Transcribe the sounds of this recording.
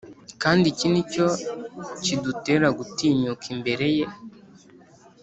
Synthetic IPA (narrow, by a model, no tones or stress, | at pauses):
kaːndicinico̞ | cidute̞ːɾaɡutiːɲukʰimbe̞ɾe̞je̞